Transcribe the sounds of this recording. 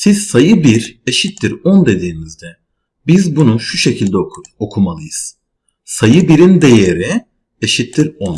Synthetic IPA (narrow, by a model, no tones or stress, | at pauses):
siz̥sajɯbiɾe̞ʃit̪ːiɾond̪e̞d̪iːmizd̪ɛ | bizbunuʃuʃe̞cʰilʲd̪ɛokʰumalˠɯjɯz̥ | sajɯbiɾind̪e̞je̞ɾi | eʃit̪ʰːiɾon